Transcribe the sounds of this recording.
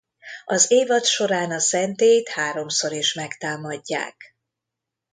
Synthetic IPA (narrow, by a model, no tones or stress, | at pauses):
ɒzeːvɒt̪ʃo̞ɾaːnɒsɛnt̪eːjt̪haːɾo̞mso̞ɾiʃmɛkt̪aːmɒɟːa̰ːk